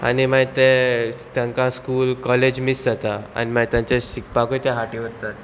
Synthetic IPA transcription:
a̰nimat̪et̪jãŋkaskuːlkɔled͡ʑmisd͡zat̪aa̰nimət̪jãɲt͡ɕeɕik̚pakojt̪jãɦaʈiʋəɾt̪at̪

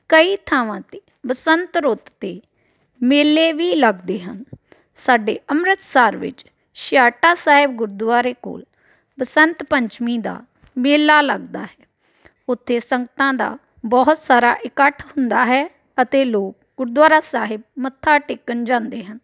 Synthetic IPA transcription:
kəiːt̪ʰaːʋãːt̪eː | bəsənt̪ɾʊt̪ːeː | meːlːeːʋiːləɡd̪eːɦən | saːɖḛːʔəmɾət̪saːɾʋɪ̰t͡ʃ | ʃɪjaːʈaːsaːɦɪb̚ɡʊɾd̪ʊwaːɾeːko̰ːl | bəsənt̪pəɲt͡ʃmĩːd̪a̰ː | meːlːaːləɡd̪a̰ːɦɛː | ʊt̪ʰːeːsəŋɡət̪ãːd̪a̰ː | bɔːt̪saːɾa̰ːʔɪkəʈʰhʊnd̪aːɦɛː | ət̪eːloːk̚ɡʊɾd̪waːɾaːsaːɦɪb̚mət̪ʰːaːʈɪkːənd͡ʒãːnd̪eːɦən

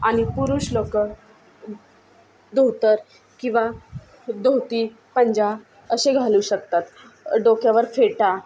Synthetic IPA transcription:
aɽ̃ipuɾuːɕlokə | d̪oɦt̪əɾ | kĩw̃ʋa | d̪owt̪iː | pəɲd͡ʑa | əɕeɡʱaluːɕək̚t̪at̪ | ɖokjaʋəɾfeʈa

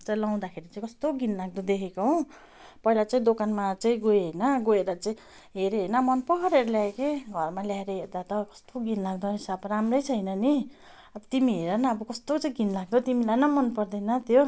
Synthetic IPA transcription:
t͡saĩlaw̃d̪akʰeɾit͡sãĩkʌst̪oɡinlaɡ̚d̪od̪ekʰekoɦõ | pʌɦilat͡saĩd̪okanmat͡saĩɡoeɦenʌɡoeɾʌt͡saĩ | ɦeɾeɦejnʌmʌnpʌkʌɾeɾʌljaekeɡʱʌrmaljaeɾeɦerd̪at̪ʌkʌ̥st̪oɡinlaɡ̚d̪ʌɦisabramrʌjt͡sʰʌjnʌni | ʌbʌt̪imiɦeɾʌnʌːbʌkʌst̪ot͡saĩɡinlaɡ̚d̪ot̪imilajnʌmʌnpʌrd̪ʌjnʌt̪jo

